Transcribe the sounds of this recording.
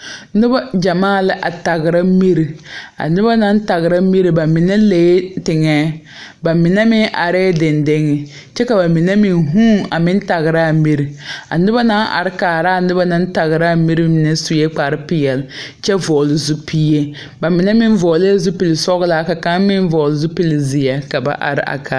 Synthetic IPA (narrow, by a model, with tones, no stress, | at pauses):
nɪ˦ba˦d͡ʒa˨maː˦˨lɪ˦ʔa˨ta˨ɣɪ˨ɾa˦mi˦ɾi˨a̰˨nɪ˦ba˦na˦n˦ta˨ɣɪ˨ɾa˦mi˦ɾi˨ba˨mɪ˨nɛ˦leː˦tɪ˨ŋɛː˦ | ba˨mɪ˨nɛ˦mɪ˦ŋʔa̰˨ɾɛ˦dɪ˨ndɪ˦ŋɪ˨ | t͡ʃɛ˦ka˨ba˨mɪ˨ne˦mɪ˨nɦuː˦ŋa̰˨mɪ˦n˦ta˨ɣɪ˨ɾa˦˨mi˦ɾi˨a̰˨nɪ˦ba˦na˦nʔa̰˨ɾɪ˦kaː˨ɾa˦˨nɪ˦ba˦na˨˦n˦ta˨ɣɪ˨ɾa˦˨mi˦ɾi˦mɪ˨nɛ˦su˨jɛ˦k͡pa˨ɾɪ˦pɪ˦jɛ˨l | t͡ʃɛ˦vɔː˨lɪ˨zu˦piː˦je˦ | ba˨mɪ˨nɛ˦mɪ˦n˦vɔː˨le˦zu˦pi˨lɪ˨sɔ˦ɣla˦ka˨ka˦m˦mɪ˦n˦vɔ˨lɪ˨zu˦pi˦lɪ˨zɪ˨jɛ˨ka˨ba̰˨ʔa̰˨ɾɪ̰˦ʔa̰˨kʰa˨